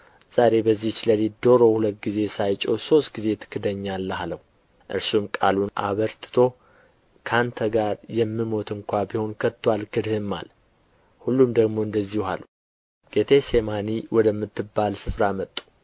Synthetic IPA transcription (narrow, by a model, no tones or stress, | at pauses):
z̥aɾe̞bəzːiht͡ʃləlid̪o̞ɾo̞hulət̪̚ɡize̞sajt͡ʃʼoso̞st̪̚ɡize̞t̪ʰɨ̥kʰːɨd̪əɲːalːhaləhu | ʔɨ̰ɾsumkʼa̰luna̰βəɾt̪ʰɨ̥t̪ʰo̞ | kʰant̪ʰəɡaɾjɛmːɨmo̞t̪ʰɨŋkʷabiho̞nkʰət̪ːwalkʰɨd̪hɨmːa̰l | hulːumd̪əɡmo̞ɨnd̪əzːihuha̰lu | ɡ̥e̞t̪ʰe̞semaniwʔɔd̪əmːɨt̪ʰːɨbːalsɨfɾamət̪ʼːu̥